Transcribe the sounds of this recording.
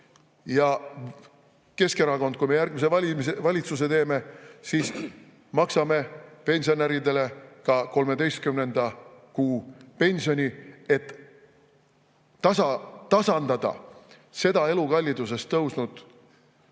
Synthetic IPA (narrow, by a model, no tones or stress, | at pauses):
jɑ | ke̞ske̞ɾɑko̞nd̪̚kujme̞jærɡ̥̚mis̬e̞vɑlmsevɑlʲit̪sus̬e̞t̪e̞ːme̞sis | mɑksɑme̞pe̞nʲsio̞næɾid̪e̞le̞kɑko̞lme̞d̪e̞jst̪̚kymne̞nd̪̥ɑkuːpe̞nʲsio̞nʲie̞t̪ː | ɑsɑt̪ɑsɑnd̪ɑd̪̥ɑ̰ | se̞d̪̥ɑe̞lukɑlʲːid̪use̞st̪ːɤwsnud̪̥